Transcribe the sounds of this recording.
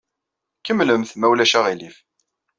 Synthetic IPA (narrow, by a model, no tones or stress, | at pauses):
kəmləmθmæwlæʃæʁilif